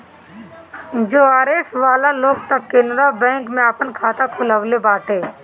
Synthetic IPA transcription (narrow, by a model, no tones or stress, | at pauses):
d͡ʒoːaːɾeːsʈʋaːlaloːɡ̚t̪ɐkːɪnɾabɛ̃ːŋkmẽɐpənkʰaːt̪akʰʊləʋlebaːʈʰeː